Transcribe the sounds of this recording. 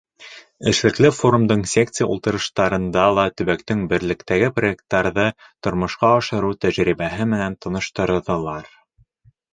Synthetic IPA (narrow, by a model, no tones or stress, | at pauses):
ɘ̆ʃlɘ̆klɘfo̞ɾumd̪ɤɴsʲe̞kt̪sɨja̰ṵlˠt̪ɤ̆ɾɤ̆ʃt̪ɑɾɤ̆nd̪ɑlˠɑt̪ɵ̆βækt̪ɘŋbɘ̆ɾlɘ̆kt̪æɡɘproek̚t̪ːɑɾðɤ | t̪ŏɾmɤ̆ʃqɑɑʃɤ̆ɾut̪æʒɾiβæɦɘmɘ̆nænt̪ɤ̆nɤ̆ʃt̪ɤ̆ɾðɤ̆lˠɑɾ